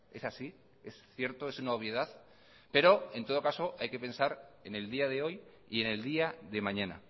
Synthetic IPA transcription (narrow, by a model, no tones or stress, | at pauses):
e̞sasi | e̞sθje̞ɾt̪oe̞sunaoβ̞jeð̞aθ | pe̞ɾo̞e̞nt̪o̞ð̞o̞kaso̞ʔajke̞pe̞nsaɾeneld̪iað̞e̞o̞j | ḭe̞ne̞ld̪iaðe̞mãɲãna̰